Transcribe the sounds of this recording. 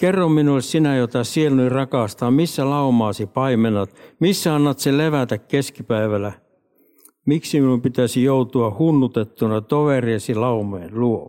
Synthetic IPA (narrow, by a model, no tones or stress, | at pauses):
kerːomminulessinæjot̪ɑsielnyirɑkɑˑst̪ɑːmisːælɑumɑːsipɑimenɑt̪misːæɑnːɑt̪seleʋæt̪ækkeskipæiʋælæ | miksiminumpit̪æsijout̪uɑhunːut̪et̪ːunɑt̪oʋeriɑsilɑumonluo